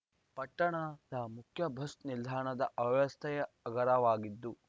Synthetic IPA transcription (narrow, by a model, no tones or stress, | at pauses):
pɐʈːɐɳɐd̪ɐmukʰjɐbʱɐst̪nild̪ʱaːɳɐd̪ɐʔɐbɐʋɐst̪ʰɐjɐ | ɐɡɐɾɐʋaːɡid̪ːu